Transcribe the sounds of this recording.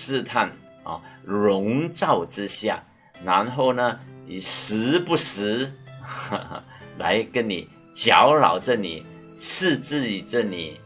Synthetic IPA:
sɹ̩˥˧t̪ʰa˥˩n | ɔ̰˨˩ɻʊ˧˥ŋt͡sɑ˥˨˩ʊʈ͡ʂɻ̩˥ɕja̰˥˩ | na˧˥nxo˥˩ʊnə˨ni˨˩sɹ̩˧˥pu˥˩sɹ̩˧˥˧ | la̰˧˥ɪkə˥nni˨˩ | t͡ɕjɑ˧˥ʊɻɑ̰˨˩ʊʈ͡ʂə˥˧˨ni˨˩ | t͡s̩ʰ˥˧t͡s̩˥˩i˨˩ʈ͡ʂə˥˧ni˨˩˦

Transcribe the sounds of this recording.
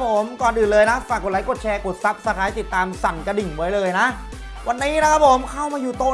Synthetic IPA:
p̚ʰo˩˦mkɔː˨˩nʔɯː˨˩nlɤː˧jna˦˥faː˨˩kːo˨˩t̚la˨˦ko˨˩t̪̚t͡ɕʰɛː˧ko˨˩t̪̚sa˦˥p̚sa˧kʰaː˨˦jt̪i˨˩t̪ːaː˧msa˨˩nka˧di˨˩ŋwa˦˥jlɤː˧jna˦˥ʔ | wa˧nːiː˦˥na˦˥kʰa˦˥p̚ʰo˨˩˦mkʰa˥˩wmaː˧juː˨˩t̪oː˧

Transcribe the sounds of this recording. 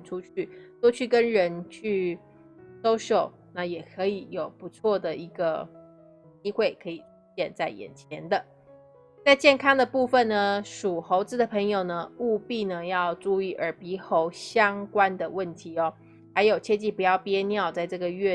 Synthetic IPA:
nʈ͡ʂʰu˥t͡ɕʰy˥˩t̪wo˥t͡ɕʰy˥˩kə˦˥nɻə˧˦˥nt͡ɕʰy˥˩ | ʂo˥ʊʂo˨˩˦ʊ | na˥˩jɛ˨˩kʰɤ˧˦˥i˨˩jo˨˩ʊpu˧˦t͡sʰwɔ˥˩d̪ə˩i˧˥ɡə˧ | t͡ɕi˥xwe˥˩ɪkʰɤ˧˥i˨˩˧ɕjɛ˥˧˨nt͡sa˥˩ɪjɛ̰˨˩nt͡ɕʰjɛ˧˥nd̪ə˧ | t͡sa˥˧ɪt͡ɕjɛ˥˩nkʰɑ˥ŋd̪ə˨pu˥˩fə˨˩nnə˩ʂu˨˩xo˧˥ʊt͡sɹ̩˧˥d̪ə˨˩pʰə˧˥ŋjo˨˩ʊnə˩u˥˧pi˥˩nə˩jɑ˥˧ʊʈ͡ʂu˥˧i˥˩ʔə˞˧˥pi˧˥xo˧˥ʊɕjɑ˥ŋkwa˥nd̪ə˨wə˥˩nt̪ʰi˨˥ɔ˧˦ | xa˧˥ɪjo˨˩ʊt͡ɕʰjɛ˥˧t͡ɕi˥˩pu˧˥jɑ˥˩ʊpjɛ˥njɑ˥˧ʊt͡sa˥˧ɪʈ͡ʂɤ˥˩ɡə˩ɥɛ˥˧

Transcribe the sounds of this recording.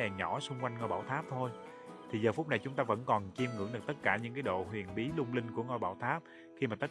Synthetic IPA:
ɛ˨˩ɲɔ˧˩sʊ˧ŋ͡mkwa˧jŋ̟ŋɔ˧˩jɓaː˧˩wt̪ʰaː˦˥p̚t̪ʰo˧j | t̪ʰi˨˩zəː˨˩fʊ˦˥k͡p̚na˨˩jt͡ɕʊ˨˦ŋ͡mt̪aː˧və̰˧˥nkɔ˨˩nt͡ɕi˧mŋɨ˧˥əŋɗk̚t̪ə˦˥t̚kaː˧˩ɲɨ̰˧˥ŋkaː˨˦jɗo̰˧˨hwi˨˩ənɓi˨˦lʊ˧ŋ͡mlï˧ŋ̟ku˧˩əŋɔ˧jɓaː˧˩wt̪ʰaː˦˥p̚ | xi˧maː˨˩t̪ə˦˥

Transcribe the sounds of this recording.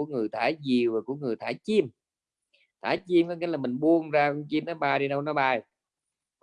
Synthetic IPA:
əŋɨ˨˩əjt̪ʰaː˧˩˦jzi˨˩əwvaː˨˩ku˧˩əŋɨ˨˩əjt̪ʰaː˧˩˦jt͡ɕi˧m | t̪ʰaː˧˨˩jt͡ɕi˧mkɔ˨˦ŋa˨˦laː˨˩mï˨˩ŋ̟ɓu˧əŋzaː˧kɔ˧˦t͡ɕi˧mnɔ˨˦ɓaː˧˩jɗi˧ɗə˧wnɔ˨˦ɓaː˧˩j

